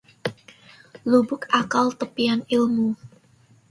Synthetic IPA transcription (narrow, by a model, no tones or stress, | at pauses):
lubʊkakalt̪əpianɪlmu